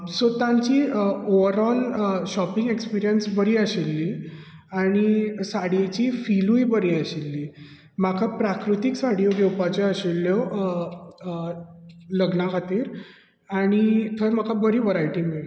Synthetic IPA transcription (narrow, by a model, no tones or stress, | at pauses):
sot̪ãɲt͡ɕiːoʋəɾɔlɕɔpiŋɡekspiɾijənsbəɾiːəɕilːiː | aɽ̃isaɽet͡ɕiːfilũjbəɾiːəɕilːiː | m̤akʰapɾakɾut̪iksaɽijoɡewpat͡ɕeəɕilːjo | ləɡnakʰat̪iːɾ | aɽ̃it̪ʰəɾm̤əkabəɾiːʋəɾajʈiːmiɭ